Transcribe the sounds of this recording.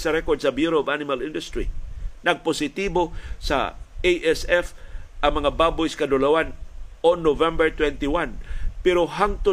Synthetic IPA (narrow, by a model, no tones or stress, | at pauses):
sɐɾɛkɔd̪̚sɐbjuɾovanɪmalɪnd̪ʊst̪ɾḭnɐɡ̚posɪt̪ibosɐ̰ejʔɛsɛfʔɐŋmɐŋababʊjskɐd̪ʊlawanonːovɛ̃mbɛɹt̪wɛnt̪iwanpɛɾoɦaŋt̪ʊ